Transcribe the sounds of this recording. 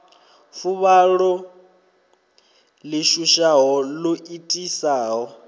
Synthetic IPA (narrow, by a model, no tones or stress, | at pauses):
fuβaɺɔ | lɪʃuʃaɦɔloitʼisaːɦɔ